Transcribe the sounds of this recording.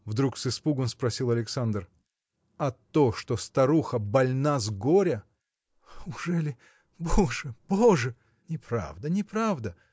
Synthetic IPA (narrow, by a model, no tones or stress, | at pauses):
vd̪ɾuksɨspuɡənspɾɐsʲilˠɐlʲɪksand̪r | ɐt̪oʂt̪ost̪ɐɾuxəbɐlʲnazɡoɾʲə | ʊʐɛlʲɪ | boʐɨb̥oʐɨ | nʲɪpɾa̰vd̪ənʲɪpɾavd̪ə